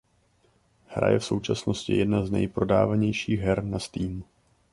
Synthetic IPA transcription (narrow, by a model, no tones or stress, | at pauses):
hɾa̰jɛfso̞wt͡ʃasno̞scɪ̰jɛdnaznɛ̰jpɾo̞da̰ːvaɲɛjʃiːɣɦɛɾnast̪iːm